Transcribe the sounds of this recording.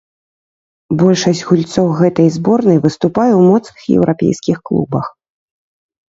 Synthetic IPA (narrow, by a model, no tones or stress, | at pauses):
bɔlʲʂɐsʲd͡zʲɣulʲt̪sɔwɣɛt̪ɐjzbɔrnɐjvɨst̪upajɛwmɔt̪snɨxjɛ̰wɾʔapʲḛjskʲixklˠṵbɐx